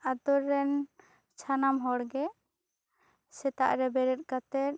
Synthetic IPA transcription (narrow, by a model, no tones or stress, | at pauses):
ad̪ɔɾːɛn | t͡ʃʰanamɦɔɽɡɛ | sɛt̪a̰ʔɾɛbɛɾɛt̪̚ˀkat̪ɛɾ̚